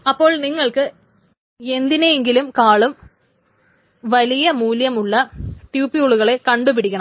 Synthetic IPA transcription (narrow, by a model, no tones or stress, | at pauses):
ɐpːo̞ːɭniŋːɐɭkɨ | e̞nd̪inejeŋɡilumkaːɭum | ʋɐlijɐmuːljɐmuɭːɐt̪juːpːiuɭuɣɐɭe̞kɐɳɖupiɽikʲːɐɳɐm